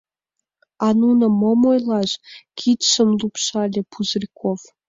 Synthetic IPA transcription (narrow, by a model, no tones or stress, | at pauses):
ɑnunə̆momojlɑʃkʰit̪ʃəmlupʃɑlʲĕpʰuzrʲikʰov